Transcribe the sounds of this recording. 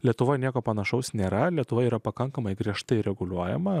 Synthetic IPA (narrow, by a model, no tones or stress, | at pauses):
lʲiɛt̪ʊʋojnʲiɛkoːpɐnɐʃɐʊsnʲeːɾɐlʲiɛt̪ʊʋɐiːɾɐpɐkɐŋkɐmɐɪɡɾʲiɛʃt̪ɐɪɾʲɛɡʊlʲuɔjɛ̰mɐ